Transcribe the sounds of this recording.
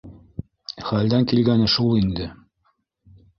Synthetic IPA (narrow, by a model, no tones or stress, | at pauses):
χæld̪æŋkilɡænɘʃulˠind̪ɘ